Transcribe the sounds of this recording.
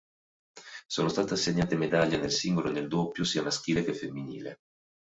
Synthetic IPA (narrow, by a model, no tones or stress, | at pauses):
soːnost̪aːt̪easːeɲːaːt̪emed̪aʎːanelsiŋɡoloneld̪opːjosiːamask̟iːlekefːemːinḭːlḛ